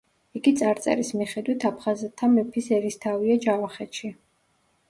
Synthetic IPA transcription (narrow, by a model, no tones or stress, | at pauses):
iɡit̪sʼaɾt̪sʼɛ̰ɾismiχɛd̪wit̪ʰapʰχazɛt̪ʰːamɛpʰisɛɾist̪ʰaviad͡ʒavaχɛt̪ʃi